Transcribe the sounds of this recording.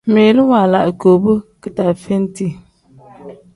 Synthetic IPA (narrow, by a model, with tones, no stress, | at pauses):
meː˨lɨ˦wa˨la˨ʔɨ˨ko˨bɨ˦kɨ˨ta˨fe˦n˦ti˦